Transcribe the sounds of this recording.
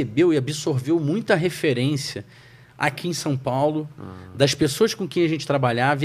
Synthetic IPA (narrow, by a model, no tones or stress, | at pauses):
ebewɪabisoɾvewmũj̃t̪ɐɦefeɾẽsiɐ | a̰kʲiẽj̃sɐ̃w̃pawlʊd̪ɐʃpesoɐskõkẽj̃ɐʒẽnt͡ʃɪ̥t̪ɾabaʎavɐ